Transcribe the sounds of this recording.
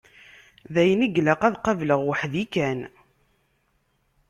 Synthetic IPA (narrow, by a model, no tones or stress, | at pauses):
ðæjəniɡlaqæðqɑvləʁwəħðikæn